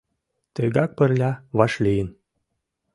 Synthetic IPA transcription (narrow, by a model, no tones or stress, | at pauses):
t̪əɡɑk̚pə̆rlʲɑβɑʃlʲijə̆n